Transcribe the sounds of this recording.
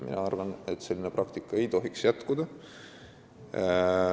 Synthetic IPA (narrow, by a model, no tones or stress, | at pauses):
mḭnɑɑ̰rvɑnet̪ːse̞lʲːinepɾrɑkt̪ikːˑɑe̞jt̪o̞ɦiksjæt̪kud̪̥ɑ